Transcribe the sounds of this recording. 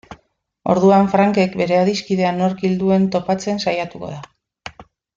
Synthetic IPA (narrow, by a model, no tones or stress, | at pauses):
o̞̰ɾðuaɱfɾaŋke̞kbe̞ɾe̞aðiskiðe̞ano̞ɾkild̪ue̞nt̪o̞pat͡se̞nsajat̪uko̞̰ða